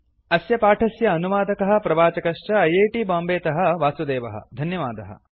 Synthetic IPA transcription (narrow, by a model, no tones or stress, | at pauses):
ɐsjɐpaːʈʰɐsjɐːnuʋaːd̪ɐkɐɦɐ̆pɾɐbaːt͡ʃɐkɐʂt͡ʃɐɐjeːʈiːbaːmbeːt̪ɐɦɐ̆ʋaːsud̪eːʋɐɦɐ̰d̪ʱɐnjɐʋaːd̪ɐɦɐ̰